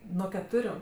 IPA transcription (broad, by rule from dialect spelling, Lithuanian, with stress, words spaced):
nuɔ kʲɛˈtʊrʲʊ